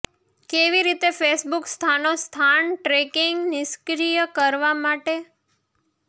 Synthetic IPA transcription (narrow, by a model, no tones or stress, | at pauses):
keʋiɾit̪efesbukst̪ʰanost̪ʰanʈɾekɪŋɡnɪskɾijəkəɾʋamaʈe